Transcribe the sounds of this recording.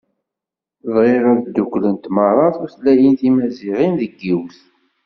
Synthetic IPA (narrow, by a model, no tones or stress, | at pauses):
ðˤʁeɾæðd̪ːukʷːlənt̪mɑrˤɑθuθlæjənθimæziʁinðəɡːiwθ